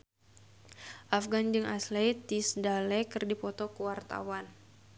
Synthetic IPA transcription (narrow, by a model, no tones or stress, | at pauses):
ʔafɡand͡ʒɨŋʔaslɛt̪isdalɛkɨrdipɔt̪ɔkəwart̪a̰wan